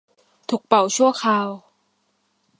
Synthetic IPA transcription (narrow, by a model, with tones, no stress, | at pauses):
t̪ʰu˨˩k̚pa˨˩wt͡ɕʰu˥˩ɐxʰaː˧w